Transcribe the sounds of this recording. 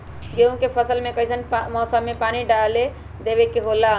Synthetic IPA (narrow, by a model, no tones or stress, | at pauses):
d͡ʒeũkepʰəsəlmekəisənpmɔsamepaniɖale | d̪eβekeɦola